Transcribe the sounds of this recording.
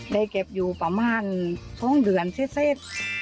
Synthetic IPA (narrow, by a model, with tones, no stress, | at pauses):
da˧˩jke˨˩p̚juː˨˩pa˧maː˧˥˨nsɔː˧˥˨ŋdɯ˨˩ənseː˧˥˩t̪̚seː˦˧˥t̪̚